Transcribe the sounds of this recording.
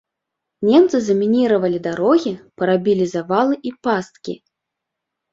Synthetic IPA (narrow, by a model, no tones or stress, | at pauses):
nʲɛmt̪sɨzɐmʲinʲiɾɐvɐlʲid̪aɾɔɣʲipɐɾabʲilʲizavalˠɨʔipast̪kʲḭ